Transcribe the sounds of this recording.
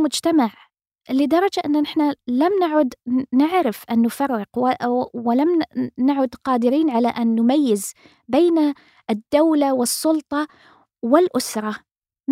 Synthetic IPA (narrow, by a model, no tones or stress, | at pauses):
mʊd͡ʒt̪amaʕ | lɪd̪ɑɾˤɑd͡ʒaʔɪnːanɪħnalamnaʕʊd̪nɪʕɾɪfʔanːʊfɑrˤːɪqwɪlamnaʕʊd̪qɑːd̪ɪɾiːnʕalaʔanːʊmajːɪz | beːna | ʔɪd̪ːawlawɪsˤːʊlt̪ˤɑ | wɪlʔʊsɾˤɑ | m